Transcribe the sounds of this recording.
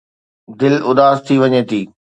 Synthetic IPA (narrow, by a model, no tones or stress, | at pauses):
d̪ɪlʊd̪aːzt̪ʰiʋɐɲeːt̪ʰiː